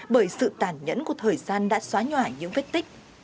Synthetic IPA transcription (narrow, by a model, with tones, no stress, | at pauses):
ɓəː˧˩jsɨ̰˧˨t̪aː˨˧˩nɲə̰˧˥nku˧˩ət̪ʰəː˨˩jzaː˧nɗa̰ː˧˥swaː˨˦ɲwaː˧˩ɲɨ̰˧˥ŋfe˦˥t̚t̪ï˦˥k̟̚